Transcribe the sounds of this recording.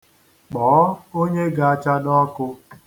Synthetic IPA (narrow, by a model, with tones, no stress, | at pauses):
k͡pɔː˨˦o˦ɲe˦ɡa˨a˦t͡ʃa˦dɔ˦kʊ˦